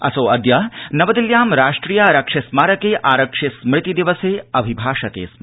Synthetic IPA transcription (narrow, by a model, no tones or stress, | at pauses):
ɐ̰soːɐd̪jɐnɐʋɐd̪iljaːmɾaːʂʈɾiːjaːɾɐkʂesmaːɾɐkeːʔaːɾɐkʂesmɾɪt̪id̪iʋɐseːɐbʱibʱaːʂɐk̪ḛːs